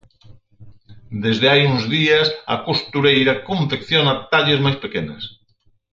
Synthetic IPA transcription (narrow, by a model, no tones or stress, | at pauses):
d̪ezðeajuŋzðiasa̰kost̪uɾejɾakõɱfekθjonat̪aʎezmajspekena̰s